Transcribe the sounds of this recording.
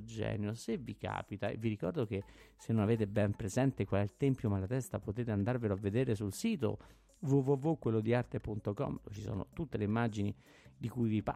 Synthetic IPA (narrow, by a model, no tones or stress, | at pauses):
d͡ʒɛ̰ːnjosevːika̰ːpit̪aḛvːiɾikɔ̰rd̪ok̟esenːonaveːt̪ebɛmpɾezɛnt̪ekwalɛilt̪ɛmpjomalːat̪ɛst̪apot̪eːt̪eand̪arveloavːed̪eːɾesulsiːt̪o̰ | vuvuvukwelːod̪iart̪epunt̪okɔ̰mt͡ʃiso̰ːno̰t̪ut̪ːeleimːad͡ʒini | d̪ikujvipa